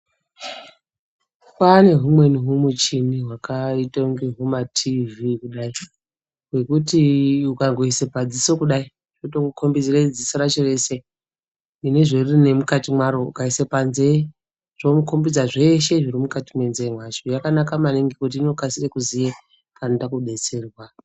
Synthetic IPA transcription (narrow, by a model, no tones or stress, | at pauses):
kwane̞ɦumwe̞niɦumut͡ʃiniɦwakaitouŋɡeɦumatʰivikuɗai | ɦwe̞kutiukaŋɡoisepad͡ziso̞kuɗai | ʐ̥otokukʰo̞mbid͡zired͡zisiɾat͡ʃore̞se | ineʐerine̞mukatimwaɾoukaisepanze̞ | ʐ̥omuko̞mbid͡zaʐe̞ʃe̞ʐiɾimukatimwe̞nzeimwat͡ʃojakanakamaniŋɡekut̬iːno̞kasirekuzije | kanotakuɗe̞t͡se̞rwa